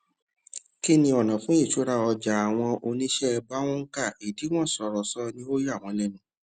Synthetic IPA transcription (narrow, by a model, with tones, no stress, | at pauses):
ki˦nĩ˧ɔ˨nã˨fũ˨˦i˦˨ʃu˨˦ɾa˦˨ɔ˧d͡ʒa˨a˨w̃ɔ̃˧o˧nĩ˦ʃɛ˦˧ba˦w̃ɔ̃˦ŋ̩˦ka˦˨i˨di˨˦w̃ɔ̃˦˨sɔ˧˨ɾɔ˨sɔ˦nĩ˦o˦ja˦˨w̃ɔ̃˧lɛ˦˨nũ˨˦